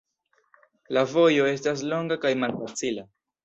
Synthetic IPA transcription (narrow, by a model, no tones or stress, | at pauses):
lavo̞jo̞e̞stas̬lo̞ŋɡakajmalfat͡sila